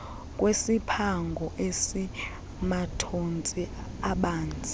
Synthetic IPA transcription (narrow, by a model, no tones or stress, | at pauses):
kʼwesipʰaŋɡʱɔʔesi | matʰont͡sʼiaɓaːnt͡sʼi